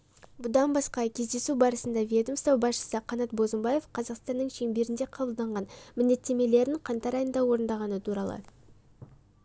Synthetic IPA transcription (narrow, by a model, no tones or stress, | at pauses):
bʊd̪ɑnbɑsqɑkʲʰe̞zd̪e̞subɑɾəsənd̪ɑvʲijed̪umst̪ɑwbɑsʃə̥səqʰɑnɑt̪̚bo̞zəmbɑjefqʰɑzɑqst̪ɑnːəɴʃeŋbe̞ɾɪnd̪eqʰɑbəlˠd̪ɑɴʁɑnmɪnd̪e̞t̪ːe̞me̞le̞ɾɪɴqʰɑnt̪ɑɾɑjənd̪ɑwo̞ɾənd̪ɑʁɑnət̪ʰuɾɑlˠə̰